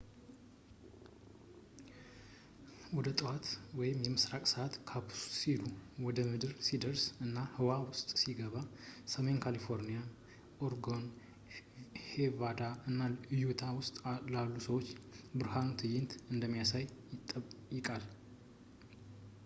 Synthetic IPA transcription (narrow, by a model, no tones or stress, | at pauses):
wɔd̪ət̪ʼɨwat̪wɔjɪmjɛmɨsɾakʼsəat̪kʰapʰu̥ssiluwɔd̪əmɨd̪ɨɾsid̪əɾsɨnːahɨwawʊst̪ʼsiɡəβasəmenkʰalifo̞ɾnija | ʔoɾɡo̞n | hevad̪aɨnːaɨjut̪ʰawʊst̪ʼlalːusəwot͡ʃːbɨɾhant̪ʰɨjɪnt̪ɨnd̪əmːijasajɪt̪ʼːəjɪkʼal